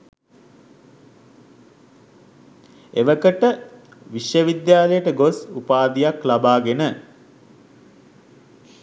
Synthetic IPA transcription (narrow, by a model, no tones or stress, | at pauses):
eʋəkəʈə | ʋiʃjəʋid̪jaːlejəʈəɡosupaːd̪ijaklabaːɡenə